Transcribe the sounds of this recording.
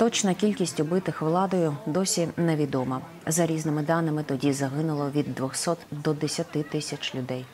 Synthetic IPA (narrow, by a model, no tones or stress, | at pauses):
t̪ɔt͡ʃnɐkʲilʲkʲisʲtʲʊbɪt̪ɪxʋlˠɑd̪ɔjʊd̪ɔsʲinɛʋʲid̪ɔmɐ | zɐɾʲiznɪmɪd̪ɑnɪmɪt̪ɔdʲizɐɦɪnʊlˠɔʋʲid̪ːʋɔxsɔt̪d̪ɔd̪esʲɐt̪ɪt̪ɪsʲɐt͡ʃlʲʊd̪ɛj